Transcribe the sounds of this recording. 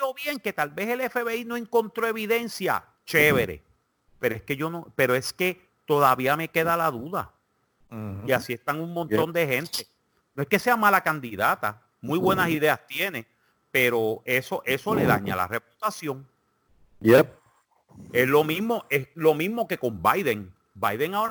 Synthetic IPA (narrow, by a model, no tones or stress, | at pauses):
oβje̞ŋke̞t̪albe̞se̞le̞fe̞βe̞ino̞e̞ŋko̞nt̪ɾo̞eβiðe̞nsja̰ | t͡ʃe̞βe̞ɾe̞̰ | pe̞ɾoeske̞ʝo̞nope̞ɾo̞e̞ske̞ | t̪o̞ðaβiame̞ke̞ðalaðuða̰ | iasie̞st̪aŋuŋmõ̞nt̪ond̪e̞he̞nt̪e̞ | noe̞ske̞se̞amalakand̪iðat̪a̰ | mujβwe̞nasiðe̞ast̪je̞ne̞ | pe̞ɾo̞e̞so̞ʔe̞so̞le̞ða̰ɲa̰la̰reput̪asjo̞ŋ | e | eslo̞miɦmo̞ʔeslo̞mĩzmo̞ke̞ko̞mbajðe̞ŋ | bajðe̞ŋaoɾ